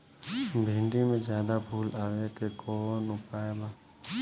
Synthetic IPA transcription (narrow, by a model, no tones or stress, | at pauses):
bʱiːɳɖimẽd͡ʒjaːd̪abʱuːlaːʋekekoːnʊpaːebaː